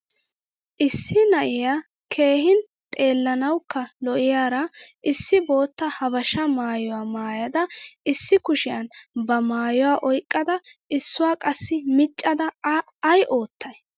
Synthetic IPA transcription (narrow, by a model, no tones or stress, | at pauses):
ʔɪsːɪnɐʔɪja | kʰe̞ːɦɪn | t̪ʼe̞ːlːɐnɐwkːɐlɔʔɪjaːɾɐʔɪsːɪbo̞ːt̪ːɐhɐbɐʃɐmaːjɔwaːmaːjɐd̪ɐɪsːɪkʊʃɪjɐnbɐmaːjɔwaːʔɔjkʼːɐd̪ɐʔɪsːʊwaːkʼɐsːɪmɪt͡ʃʼːɐd̪ɐː | jʔo̞ːt̪ːɐj